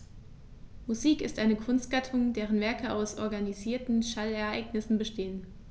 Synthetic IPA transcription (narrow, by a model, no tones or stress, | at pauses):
muziːkɪstʔaɪnəkʰʊnst̚ɡ̥atʰʊŋdeːʁ̞ənvɛɐkəaʊsʔɔɐɡaniziːɐtn̩ʃalɛɐʔa̰ɪɡnɪsn̩bəʃteːən